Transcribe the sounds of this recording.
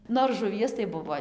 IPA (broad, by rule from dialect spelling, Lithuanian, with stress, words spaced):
ˈnoːr ʒʊˈʋʲiɛs tɐɪ ˈbʊʋoː